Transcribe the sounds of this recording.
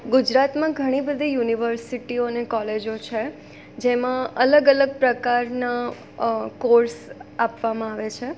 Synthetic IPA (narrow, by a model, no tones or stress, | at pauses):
ɡud͡ʒɾat̪mãɡʱəɽ̃ibəd̪ʱijuniʋəɾsiʈionekɔled͡ʒot͡ʃʰe | d͡ʒemãələɡələɡ̚pɾəkaɾna | koɾsapʋamãaʋet͡ʃʰe